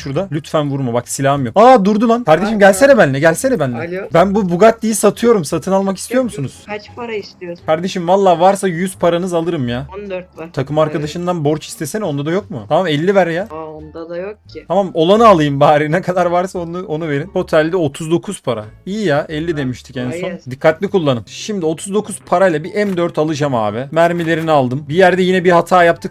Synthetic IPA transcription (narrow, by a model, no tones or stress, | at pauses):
ʃuɾd̪alʲyt̪fænvuɾmabaksilʲaɦmjo̞kaːd̪uɾd̪ulˠankaɾd̪eʃimɟælʲseɾɛbænlːʲɛɟælʲseɾɛbænlʲɛbænbubuɡat̪d̪ʲijisat̪ʰɯjo̞ɾumsat̪ʰɯnalˠmaki̥st̪ʰijo̞ɾmusunuz̥ | ɾaisiokʰaɾd̪e̞ʃimvalˠːaːvaɾsajyz̥pʰaɾanɯzalˠɯɾɯmja | t̪ʰakʰɯmaɾkʰad̪aʃɯnd̪anbo̞ɾt͡ʃist̪ʰeseno̞nd̪ad̪ajo̞k̚mṵt̪ʰamamɛlʲːibɛɾeja | j̪ʰ | amamo̞lˠanɯalˠɯjɯmbaːɾinɛkʰad̪aɾvaɾsaonuonuve̞ɾinpo̞t̪ʰɛlʲd̪ɛo̞t̪ʰuzd̪o̞kʰuz̥pʰaɾa̰ijijaɛlʲːid̪e̞miʃt̪ʰicɛnso̞nd̪ikʰːat̪lʲikulˠːanɯmʃimd̪io̞t̪ʰuzd̪o̞kʰuz̥pʰaɾajlˠabiʔɛnd̪øɾt̪ʰalˠɯd͡ʒama̰ːbimæɾmilʲe̞ɾinialˠd̪ɯmbijæɾd̪ɛjinɛbihat̪ʰaːjap̚t̪ʰɯk